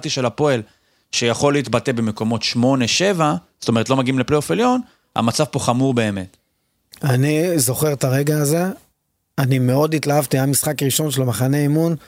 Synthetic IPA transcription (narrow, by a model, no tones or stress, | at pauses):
t̪iʃelapo̞el | ʃejaχo̞leit̪batebemeko̞mo̞t̪ʃmo̞ne̞ʃe̞vaz̥o̥t̪o̞metlomaɡiimlepleofiljo̞n | ha̰mat͡savpo̞χamuʁbe̞ːme̞t | anizo̞χe̞ʁt̪aʁe̞ɡaːze̞ | anime̞o̞d̪it̪laɦavt̪iamisχakʁiʃo̞nʃelmaχane̞imun